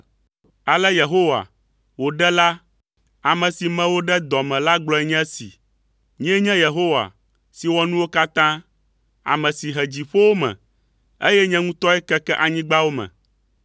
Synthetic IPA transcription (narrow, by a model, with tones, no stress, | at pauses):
a˨lɛ˦je˨ɦo˦wa̰˨ | wo˨ɖɛ˦la˦ | a˨mɛ̃˨si˨mɛ̃˦wo˦ɖɛ˦d̪ɔ˨mɛ̃˨la˦ɡ͡blɔ˨˦ɛ˦ɲɛ̃˦sḭ˨ | ɲĩ˦ɛ˦ɲɛ̃˦je˨ɦo˦wa̰˨ | si˨wɔ˦nũ˦wo˦ka˦t̪ã˦ | a̰˨mɛ̃˨si˨ɦɛ˨d͡ʑi˨ɸo˦wo˦mɛ̰̃˨ | ḛ˦jɛ˦ɲɛ̃˦ŋũ˦t̪ɔ˦ɛ˦kɛ˦kɛ˦ʔa˨ɲĩ˦ɡ͡ba˦wo˦mɛ̰̃˨